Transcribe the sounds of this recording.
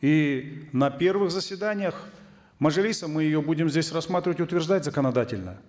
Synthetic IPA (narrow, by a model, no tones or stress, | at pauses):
inɐpʲe̞rvɨxzəsʲvʲɪd̪anʲɪjəx | məʐɨlʲisəmɨjɪjobudʲɪmzʲdʲesʲrɐsmat̪ɾʲɪvətʲʊt̪vʲɪrʐd̪atʲzəkənɐd̪atʲɪlʲnə̰